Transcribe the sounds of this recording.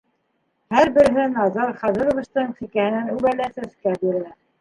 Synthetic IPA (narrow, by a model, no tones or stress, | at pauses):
hæɾbɘ̆ɾɦɘnɑzɑɾχɑðɤ̆ɾŏvɤ̆ʃt̪ɤɴsikæhɘ̆nænʉβælæsæskæbiɾɘ̆æ